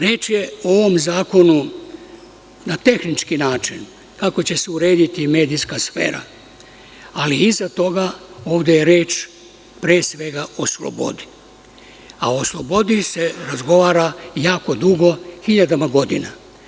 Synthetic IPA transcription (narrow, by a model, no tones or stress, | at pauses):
ɾeːt͡ʃjeoʋo̞mzaːko̞nu | nat̪e̞xnit͡ʃkinaːt͡ʃin | kako̞t͡ɕe̞seuɾe̞ːd̪it̪ime̞ːd̪ijskasfe̞̰ːɾa̰ | aliizat̪o̞ɡa | o̞ːʋd̪ejeɾe̞ːt͡ʃ | pɾeːsʋe̞ɡaʔo̞slˠo̰bo̞̰d̪i̥ | aoslˠo̞bo̞d̪ise̞ɾazɡo̞ʋaːɾajaːko̞d̪uɡo̞xiʎad̪amaɡo̞d̪ḭna